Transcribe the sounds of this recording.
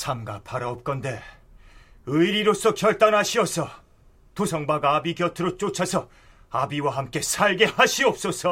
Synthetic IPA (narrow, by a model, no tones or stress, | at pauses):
sʰamɡa̰pʰaɾaop̚k͈ʌnde̞ | ɯiɾiɾos͈ʌkjʌɭt͈anɦaɕʰiʌsʰʌ | tosʰʌŋbaɡabiɡjʌtʰɯɾot͡ɕ͈ot͡ɕʰasʰʌ | abiwaɦamk͈e̞sʰaɭɡe̞haɕʰiʌp̚s͈ʌsʰʌ